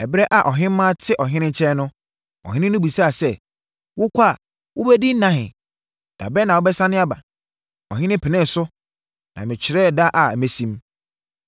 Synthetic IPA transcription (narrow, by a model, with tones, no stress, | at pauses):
ɛ˨bɾɛ˦ʔa˨ʔɔ˨ɦɪ̃˦m˦mã˦tʰɪ˦ʔɔ˨ɦɪ̃˦nɪ̃˦t͡ɕʰɛ˦nʊ̃˦ | ɔ̰˨ɦɪ̃˦ɪ̃˦nʊ̃˦bu˨sa˦˨sɛ˦ | wʊ˦kʷʰa˦˨ | wʊ˦bɛ˦di˦n̩˦nã˦ɦɪ̰̃˨ | d̥a̰˨bɛ˦nã˨wʊ˦bɛ˦sã˦nɪ̃˦a˦ba̰˨ | ɔ˨ɦɪ̃˦nɪ̃˦pʰɪ˨nɪ̃˦n˨sʊ˦ | nã˨mɪ̃˨t͡ɕʰɪ˨ɾɛ˦˨da˦ʔa˨me˨sĩ˦m